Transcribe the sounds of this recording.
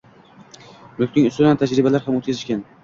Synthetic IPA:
lʊk̚ʲnɪŋʊst̪ʊd̪ant̪ʰad͡ʒɾɪbalaɾhamot̪kʲʰazɪʃkʲan

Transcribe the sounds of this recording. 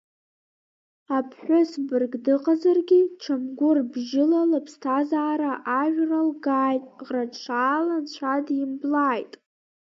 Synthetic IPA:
apʰħʷʊsbɨrɡdɨqʼazarɡʲiʈ͡ʂʰamɡʷʊrbʒɪlalapʰstʰazaːɾaʔaʒᶣralɡaːjtʼʁraʂʰaːlant͡ɕʷʰadimblaːjtʼ

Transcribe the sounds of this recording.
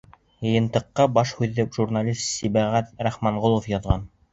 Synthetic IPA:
jɤ̆jɤ̆nt̪ɤ̆qːɑbɑʃhʉðːɘpʒurnalʲist̪sibæʁæt̪ɾæχmɑɴʁolˠofjɑðʁɑn

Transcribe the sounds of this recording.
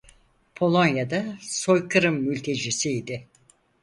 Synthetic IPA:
pʰo̞lˠo̞njad̪aso̞jkʰɯɾɯmːylʲt̪ʰe̞d͡ʒisiid̪ɪ

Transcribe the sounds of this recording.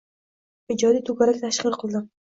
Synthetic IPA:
ɪd͡ʒɒd̪it̪ʰʊɡʲaɾakʲt̪ʰaʃqɨɾˠqʰɨlˠd̪ɪ

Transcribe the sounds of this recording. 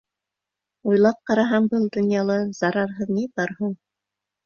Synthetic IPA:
ujlˠɑp̚qɑɾɑɦɑɴbɤlˠd̪ŏnjɑlˠɤz̥ɑɾɑɾɦɤðnibɑɾhuɴ

